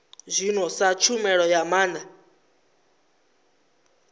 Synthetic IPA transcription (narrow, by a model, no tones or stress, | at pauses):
zʷinɔsat͡ʃʰumɛɺɔjamaːna